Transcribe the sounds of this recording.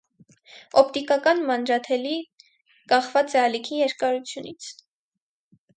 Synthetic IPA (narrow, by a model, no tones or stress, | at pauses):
ɔp̚ʰt̪ikɑkɑnmɑnd͡ʒɑt̪ʰɛli | kɑχvɑt͡sɛɑlikʰijɛɾkɑɾut͡sʰjunḭt͡sʰ